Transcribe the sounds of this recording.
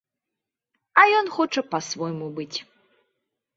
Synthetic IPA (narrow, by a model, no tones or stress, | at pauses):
ɐjɔnxɔt͡ʂɐpɐsvɔjmubɨt͡sʲ